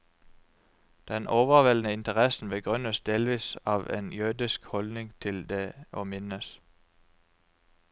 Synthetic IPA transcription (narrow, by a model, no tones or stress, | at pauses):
d̪̥ɛnʔoːʋəʁʋɛlnəɪnt̪ʰəʁɛsn̩bəɡʁʏnəsd̪eːlʋiːsɑːʋḛːnjʉːd̪ɪskhɔld̪nɪŋt̪ʰɪld̪eːʔoːmɪnəs